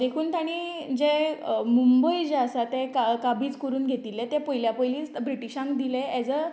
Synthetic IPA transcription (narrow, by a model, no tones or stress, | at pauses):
d̪ekʰuːnt̪ʰaɽ̃id͡ʑɛmumbəjd͡ʑeəsat̪ɛkakabiːt͡skoɾuːnɡʱet̪iːlɛt̪ɛ̃pɔjljapəjliːt͡sbɾiʈiɕãŋkd̪ilẽɛd͡zə